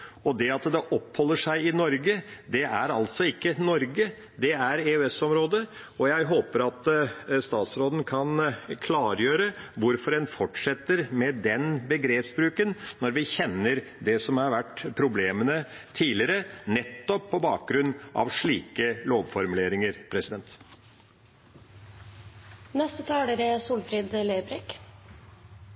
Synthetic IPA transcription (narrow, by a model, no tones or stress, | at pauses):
ɔd̪ɛɑt̪d̪ɛʔɔphɔlːəʂæɪɪnɔɾɡəd̪ɛʔæɾɑlt̪sɔɪkːənɔɾɡə | d̪ɛæɾeʉɛsɔmɾoːd̪ə | ɔjæɪɦoːpəɾɑt̪st̪ɑːt̪sɾoːd̪ən̩kʰɑnkʰlɑːɾjøːɾəʋʊɾfɔɾɛnfɔʈʂɛt̪ːəɾmɛd̪ɛnbəɡɾeːpsbɾʉːkənːɔɾʋɪçɛnːəɾd̪ɛsɔmhɑɾʋæʈːpʰɾʊbleːmənə | t̪ʰiːlɪəɾənɛt̪ːɔpʰːɔbɑːk̚ɡɾʉnːʔɑ̰ʋʂɭiːkəloːʋfɔɾmʉleːɾɪŋəɾpʰɾɛsɪd̪ɛnt̪ | nɛst̪ət̪ʰɑːləɾəsuːlfɾid̪leːbɾɛk